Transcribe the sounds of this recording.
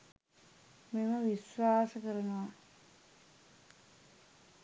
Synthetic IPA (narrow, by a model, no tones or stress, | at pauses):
meməʋisʋaːsəkəɾɐnoʋa